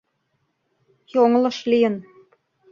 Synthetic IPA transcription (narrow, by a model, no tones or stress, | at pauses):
joŋlɤ̆ʃlijə̆n